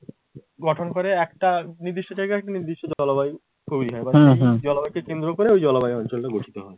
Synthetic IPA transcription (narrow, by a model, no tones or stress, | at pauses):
ɡɔʈʰonkoɾeɛkʈaniɾd̪iʃʈod͡ʑajɡaɛk̚ʈaniɾd̪iʃod͡ʑɔlobaj | kʰubiɦɔebaɾejd͡ʑɔlobajkekend̪ɾokoɾeojd͡ʑɔlabajeɔnt͡ɕolʈaɡoʈʰi̥t̪oɦɔe